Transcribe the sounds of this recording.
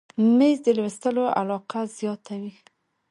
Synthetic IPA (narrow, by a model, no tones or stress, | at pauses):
mezd̪əlwɪst̪əloʔa̰lɑqazjɑt̪awi